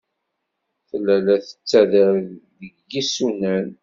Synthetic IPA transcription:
θəlːælæθə̥t͡sːæðəɾðəɡjisunæn

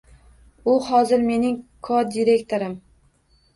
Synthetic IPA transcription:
ʊhɒzɪɾme̞nɪŋkʰod̪iɾe̞kt̪ʰoɾɪm

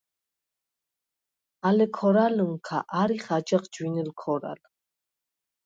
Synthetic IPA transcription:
alɛkʰɔɾaluŋkʰa̰ʔaɾiχad͡ʒaχd͡ʒwinɛlkʰɔɾa̰l

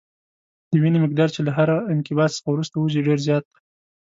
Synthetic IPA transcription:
d̪̥əwinemɪk̚d̪ɑɾt͡ʃelaɦaɾaɪnkɪbɑt̪sə̥xawɾust̪awuʒiɖeɾzjɑt̪̚ː

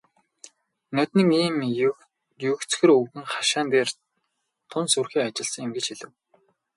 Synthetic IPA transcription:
nœt̪nĭŋiːm | jɵkt͡sxɘ̆rɵwɣɘ̆ŋχḁʃaːnt̪eːr | t̪ʰʊnsurxiːŋat͡ɕɪ̆ɮsə̆ŋemɡɘ̆t͡ɕxiɮɘ̆w

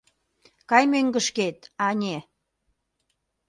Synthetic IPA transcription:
kɑjmøŋɡə̆ʃket̪ɑnʲe

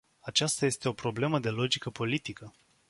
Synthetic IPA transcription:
at͡ʃast̪aje̞st̪e̞o̞pɾo̞ble̞məd̪e̞lo̞d͡ʒikəpo̞lit̪ikə

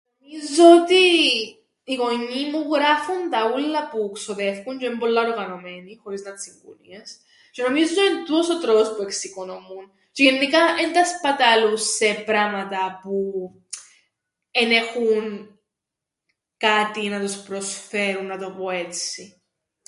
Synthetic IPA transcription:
nomizoot̪iː | ɣo̞ɲːimuɣɾɐfunt̪ɐulːɐpueksoðefkuɲd͡ʒeembo̞lːɐoɾɣɐno̞me̞nixo̞ɾiznɐt̪siŋɡo̰nḭes | ce̞no̞mizooint̪usot̪ɾopospue̞ksiko̞nomun | ceenːikɐʔend̪ɐspɐt̪ɐlusːe̞pɾɐmɐt̪ɐpu | ene̞xun | kat̪inɐt̪ospɾo̞sfe̞ɾunːɐt̪o̞poe̞t͡si

